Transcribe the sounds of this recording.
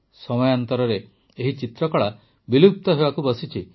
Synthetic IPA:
sɔmɔjant̪ɔɾɔɾeː | ɦit͡ʃit̪ɾɔkɔɭa | bilup̚t̪ɔɦebakubɔsit͡ʃʰi

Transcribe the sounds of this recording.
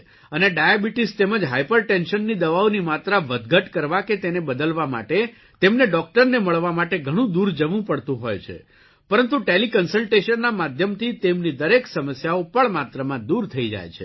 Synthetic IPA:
əneɖajabiʈist̪eməd͡ʒɦajpəɾʈenʃənːid̪əʋaʋonimat̪ɾaʋəd̪ɡəʈkəɾʋaket̪enebəd̪əlʋama̰ʈe | t̪emneɖɔk̚ʈəɾneməɭʋamaʈeɡʱəɽ̃ũd̪uɾd͡ʒəʋũpəɽt̪ũɦojt͡ʃʰḛ | pəɾənt̪ũʈelikənsəlʈeʃənːamad̪ʱjəmt̪ʰit̪emnid̪əɾeksəməsjaopəɳmat̪ɾəmãd̪uɾt̪ʰəid͡ʒa̰jt͡ʃʰḛ

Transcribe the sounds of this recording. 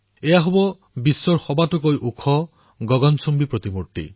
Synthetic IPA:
ejaɦobɔ | bisːɔɾxɔbatukojʔukʰɔ | ɡɔɡɔnsumbipɾot̪imuɾʈḭ

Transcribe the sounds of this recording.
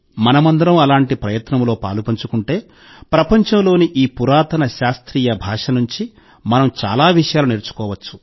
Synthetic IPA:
mɐnɐmɐnd̪ɐɾɐmɐlaːɳʈipɾɐjɐt̪nɐmlo̞ːpa̰ːlupɐɲt͡ʃukuɳʈe̞ː | pɾɐpɐɲt͡ʃɐmlo̞ːniʔiːpuɾaːt̪ɐnɐʃaːst̪ɾiːjɐbʱaːʂɐnuɲt͡ʃi | mɐnɐmt͡ʃa̰ːlaːʋiʂɐjaːluneːɾt͡ʃu̥kɔːʋɐt͡ʃːu̥

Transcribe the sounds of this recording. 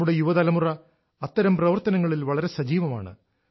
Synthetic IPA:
uɽe̞juʋɐðɐlɐmurɐ | ɐt̪ːɐɾɐmprɐʋɐrt̪ɐnɐŋːɐɭilʋɐɭɐɾe̞sɐd͡ʑiːʋɐma̰ːɳɨ̰

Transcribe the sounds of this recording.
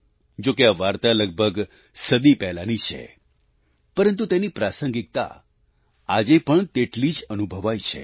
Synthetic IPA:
d͡ʒokeaʋaɾt̪aləɡ̚bʱəɡ | səd̪ipɛɦlanit͡ʃʰḛ | pəɾənt̪̬ut̪enipɾasəŋɡik̚t̪a̰ | ad͡ʒepəɳt̪eʈlid͡ʒənubʱəʋajt͡ʃʰḛ

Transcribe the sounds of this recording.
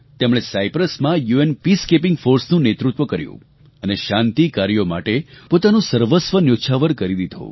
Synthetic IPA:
t̪emɭ̃esajpɾəsmãjuenpiskep̬ɪŋɡfoɾsnũnet̪ɾut̪ʋəkəɾjṵ̃ | əneʃãnt̪ikaɾijoma̰ʈepot̪anũsəɾʋəsʋənjoʃʰaʋəɾkəɾid̪id̪ʱõ̰

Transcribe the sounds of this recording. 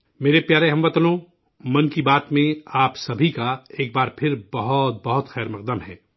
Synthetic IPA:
meːɾepjaːɾeɦɐ̃mbɐt̪lõ | mɐnkibaːt̪mẽaːpsɐbʱikaeːk̚baːɾpʰɪɾbɐɦɔt̪̚bɐɦʊt̪xɛːɾmɐq̚d̪əmɦɛː

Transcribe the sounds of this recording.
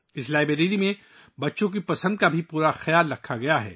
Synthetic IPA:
ɪslaːɪbɾeɾiːɾimẽ | bɐtːʃõk̬ipɐsə̃nd̪̚kabʱipuːɾaxɐjaːlːɐkʰːaɡɐjaɦɛ̰ː

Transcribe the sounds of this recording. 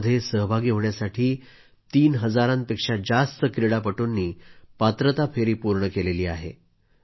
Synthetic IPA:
d̪ʱːesəɦbʱaɡiːɦoɳjasaʈʰiː | t̪iːnɦəd͡zaɾãnpekʂad͡zast̪əkɾiɽapəʈunːiːpat̪ɾət̪afeɾiːpuɾɳəkeleliːaɦḛ

